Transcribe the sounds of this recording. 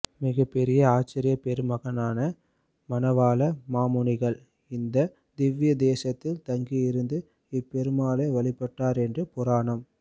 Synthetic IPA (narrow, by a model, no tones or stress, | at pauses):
mɪɣɐpːɛɾɪjɐaːt͡ʃːɪɾɪjɐpɛɾɯmɐɣɐnaːnɐ | mɐnɐʋaːlɐmaːmʊɳɪɣɐɭ | ɪnd̪ɐ | d̪ɪʋɪjɐd̪eːsɐt̪ːɪlt̪ɐŋɡijɪɾɯnd̪ɯ | ɪpːɛɾɯmaːleːʋɐɭɪpːɐʈːaːɾɛndrɯpʊɾaːɳɐm